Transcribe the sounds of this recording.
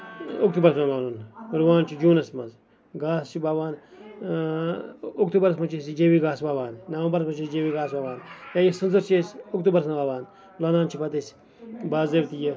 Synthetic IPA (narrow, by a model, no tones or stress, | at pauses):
uk̚t̪uːbɐɾɐsmɐmaːnunɾwaːnt͡ʃʰid͡ʒuːnɐsmɐz | ɡaːst͡ʃʰibaːʋaːn | uk̚t̪ubɐɾɐsmɐt͡ʃʰesid͡ʒewiɡaːsbaːʋaːnnɐwɐmbɐɾɐsmɐt͡ʃʰisd͡ʒewiɡaːs̬baːʋaːnjaːjisɨnzɐɾt͡ʃesukt̪ubɐɾsnɐbaːʋaːn | lɐnaːnt͡ʃʰipɐt̪es | baːzewt̪ije